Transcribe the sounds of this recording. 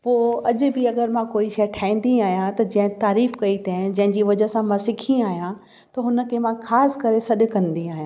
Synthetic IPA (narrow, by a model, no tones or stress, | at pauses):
poːɐʄʊ̆bɪɐɡəɾmãkoːiʃɐjʈʰaːĩːn̆d̪iaːɦijãt̪ɐd͡ʑɐ̃ɦɪ̃t̪aːɾiːfkɐit̪ãd͡ʑɐ̃ɦɪ̃ɲd͡ʑiːʋɐd͡ʑəɦsãmãsɪkʰiaːɦijã | t̪ɐɦʊnə̆kʰemãxaːsɪ̥kɐɾesɐɗ̆kɐ̃nd̪iaːɦijã